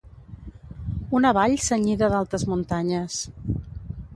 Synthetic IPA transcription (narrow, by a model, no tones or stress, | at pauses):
unəβaʎsəɲiðəðalˠt̪ɾəzmunt̪aɲəs